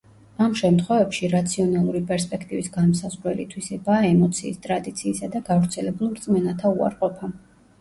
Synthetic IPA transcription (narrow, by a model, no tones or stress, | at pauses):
amʃɛmt̪ʰχwɛvɛpʃiɾat̪sʰiɔnalˠuɾipʼɛɾspʼɛkʰt̪ʼivisɡanmsazʁɾɛlit̪ʰwisɛbaːɛmɔt̪sʰiːst̪ʼɾad̪it̪sʰiːsad̪aɡavɾt̪sʰɛlɛbulˠɾt̪sʼmɛnat̪ʰaua̰ɾqʼɔpʰa